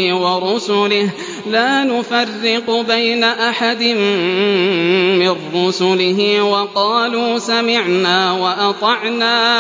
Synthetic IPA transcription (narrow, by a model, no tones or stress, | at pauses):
wɑɾˤʊsʊlɪh | laːnʊfɑrːɪqbajnaʔaħad̪ɪn | mɪnːʊsʊlɪɦɪwɑqɑːluːsamɪʕnaːwɑʔɑt̪ˤɑʕnaː